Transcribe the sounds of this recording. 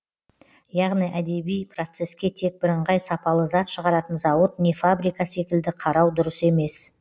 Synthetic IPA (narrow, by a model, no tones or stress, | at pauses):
jɑʁnijʔæd̪e̞bijpro̞t̪se̞skʲe̞t̪ʰe̞k̚bɪɾəɴʁɑjsɑpɑlˠəzɑt̪ʃəʁɑɾɑt̪ənzɑwət̪ne̞fabɾijkɑse̞kʲɪld̪ɪqʰɑɾɑwd̪ʊɾəse̞me̞s